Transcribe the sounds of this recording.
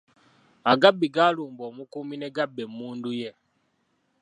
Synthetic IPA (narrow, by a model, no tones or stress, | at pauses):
aɡabiɡalumbɔmukuminɛɡabɛmuːndujɛ